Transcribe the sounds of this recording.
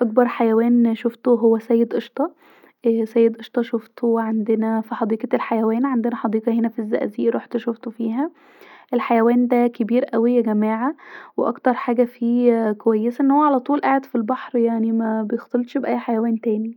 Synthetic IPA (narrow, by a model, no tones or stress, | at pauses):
ʔɑkbɑɾˤħajæwæːnʃoft̪oɦowːæsæːjːed̪ʔeʃt̪ˤɑ | sæːjed̪ʔeʃt̪ˤɑʃoft̪ʰowʕand̪enæfiħɑd̪iːqɑelħajæwæːnʕand̪enæħɑd̪iːqɑhenæfizːæ̰ʔziːʔɾˤṵːħt̪ʃoft̪ofiːɦæ | ʔelħajæwæːnd̪ækebiːɾʔæwejːæɡæmæːʕaweʔɑ̰kt̪ɑɾˤħaːɡæfiːkowæjːesæʔenːhowːæʕalæt̪ˤuːlʔaʕed̪filbɑħɾjaʕnimæbejext̪elt̪ʃbʔæjːħajæwæːnt̪æːni